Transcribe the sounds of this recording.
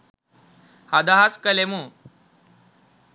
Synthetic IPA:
had̪aɦaskəlemu

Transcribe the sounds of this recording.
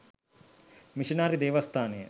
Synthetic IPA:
miʂinaːɾid̪eːʋɐst̪ʰaːnejɐ̰

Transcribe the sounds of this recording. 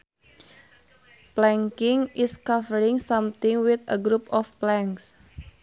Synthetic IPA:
plɛŋkɪŋʔɪskavəɾɪŋsamt̪ɪŋwɪt̪əɡɾupɔfplɛŋks

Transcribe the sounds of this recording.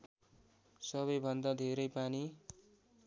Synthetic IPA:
sʌβʌjbʱʌnd̪ad̪ʱeɾʌjpani

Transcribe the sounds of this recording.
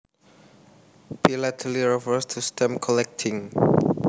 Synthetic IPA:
pilatʰəliɹɛfəstʰustʰɛ̃mkʰɔlɛk̚tʰĩŋ

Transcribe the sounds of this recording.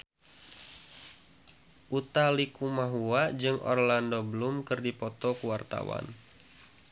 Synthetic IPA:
ʔut̪alikumaɦuad͡ʒɨŋʔɔ̰rlandobəlumkɨrdipɔt̪ɔkuwart̪a̰wa̰n

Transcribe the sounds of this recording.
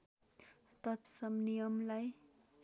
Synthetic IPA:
t̪ʌt̪sʌmnijʌmlaj

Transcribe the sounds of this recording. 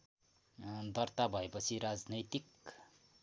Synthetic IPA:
d̪ʌrt̪abʱʌepʌt͡sʰiɾad͡znʌjt̪ik

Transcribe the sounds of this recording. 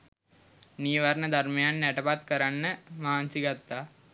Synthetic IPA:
niːʋɐɾɳɐd̪ʱɐrmɐjaːnneʈɐbat̪kɐɾɐnːɐmaːnsiɡɐt̪ːa

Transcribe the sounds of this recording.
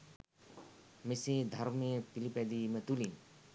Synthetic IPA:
misid̪ʱaɾmepiliped̪imet̪ulin

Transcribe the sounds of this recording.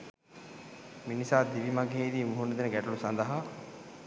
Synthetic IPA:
minisaːd̪iʋimaɡɦeːd̪iːmuɦunəd̪enəɡɛʈulusand̪ɐɦa

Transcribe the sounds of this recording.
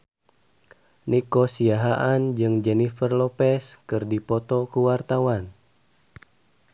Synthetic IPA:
nikɔsiaɦaʔand͡ʒɨŋd͡ʒɛnifərlɔpɛskɨrdipɔt̪ɔkuwart̪awan

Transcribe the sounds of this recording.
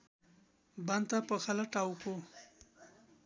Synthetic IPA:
band̪t̪apəxʰalaʈawko

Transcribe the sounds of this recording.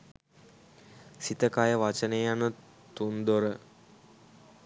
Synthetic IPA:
sit̪əkajəʋat͡ʃənejanə | t̪und̪oɾə

